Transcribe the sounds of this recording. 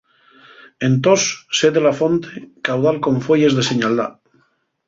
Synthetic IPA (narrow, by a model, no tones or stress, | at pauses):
ent̪osːeðelafont̪ekawðalko̞ɱfweje̞zðeseɲald̪a̰